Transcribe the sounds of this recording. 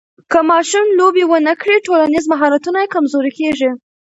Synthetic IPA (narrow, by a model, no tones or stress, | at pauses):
kəmɑʃumlobewənəkɽiʈolanizmaɦɑɾat̪unajekamzoɾikeʐi